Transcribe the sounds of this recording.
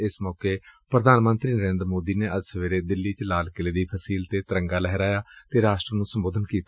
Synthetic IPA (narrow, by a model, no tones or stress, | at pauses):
ɪsmɔːkeːpɾəd̪ʱaːnmənt̪ɾiːnəɾẽːnd̪ɾmoːd̪iːneːʔəd͡ʒsəʋeːɾeːd̪ɪlːiːt͡ʃəlaːlkɪleːd̪iːpʰəsiːlt̪eːt̪əɾəŋɡaːlɛɦɛɾaːjaːt̪eːɾaːʃʈɾənũːsəmboːd̪ʱənkiːt̪a